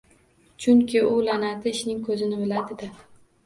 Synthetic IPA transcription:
t͡ʃʰʊŋkʲʰɪʊlanat̪ɪɪʃnɪŋkʰɵzɪnɪbɪlad̪ɪd̪ɪ

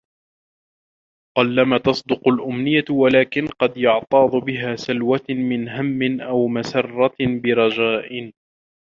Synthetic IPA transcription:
qɑlːamat̪ɑsˤd̪ʊqʊlʔʊmnɪjːawalaːkɪnqɑd̪jʊʕt̪ˤɑːd̪ˤʊbɪɦaːsalwamɪnɦamːɪnʔawmasɑrˤːɑbɪɾˤɑd͡ʒaːʔɪn

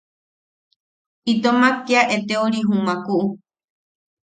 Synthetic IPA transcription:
it̪omakiaʔet̪eoɾiɦũmãkuʔu

